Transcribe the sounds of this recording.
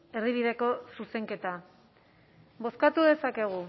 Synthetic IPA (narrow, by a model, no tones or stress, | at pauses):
e̞riβ̞iðe̞ko̞suse̞ŋke̞t̪a | bo̞skat̪uðe̞sake̞ɣ̞u